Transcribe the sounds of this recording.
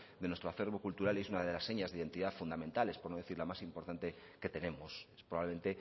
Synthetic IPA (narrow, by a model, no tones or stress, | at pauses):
d̪enwest̪ɾoaθe̞ɾβokult̪uɾalesunaðelasːe̞ɲazðeiðe̞nt̪iðafund̪amẽnt̪ale̞spoɾnoð̞e̞θiɾlamasimpo̞ɾt̪ant̪e̞ | ke̞t̪e̞ne̞mosesppɾoβaβleẽ̞nt̪e̞